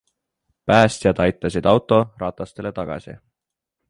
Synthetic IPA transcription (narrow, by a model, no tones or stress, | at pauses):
pæːst̪ijɑd̪ɑjt̪ːˑɑsid̪̥ɑwt̪ːˑo̞rɑːt̪ˑɑst̪e̞le̞t̪ɑɡ̥ɑ̰sḭ